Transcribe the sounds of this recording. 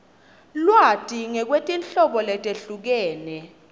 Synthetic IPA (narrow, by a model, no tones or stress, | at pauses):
lwatʼiŋɛk̬wetʼinɬɔɓɔlɛtʼeɬuk̬ɛːnɛ